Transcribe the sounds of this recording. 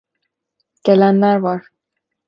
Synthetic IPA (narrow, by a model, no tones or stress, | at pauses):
ɡ̥elænlæɾvɑɾ